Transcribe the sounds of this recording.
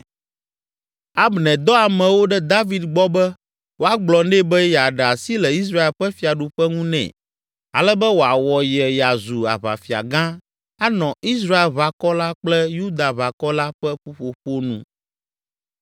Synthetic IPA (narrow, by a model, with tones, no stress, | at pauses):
a˦bnɛ̃˨d̪ɔ˦a˨mɛ̃˨wo˦ɖɛ˦d̪a˦vi˨d̪ɡ͡bɔ˦bɛ˦ | wo˦a˦ɡ͡blɔ˨nɛ˦bɛ˦ja˨ɖɛ˨a˨si˦lɛ˨i˦s̬ɾa˦e˨lɸɛ˦fi˨a˨ɖu˨ɸɛ˦ŋũ˦nɛ̰̃˨ | a̰˨lɛ˦bɛ˦wo˨a˨wɔ˨jɛ˨ja˨zu˨a̰˨βa̰˨fi˨a̰˨ɡã˦ | a˦nɔ̃˨i˦s̬ɾa˦e˨lβa˨kɔ˦la˦k͡plɛ˦ju˦d̪a˨βa˨kɔ˦la˦ɸɛ˦ɸo˦ɸo˨ɸo˦nṵ̃˦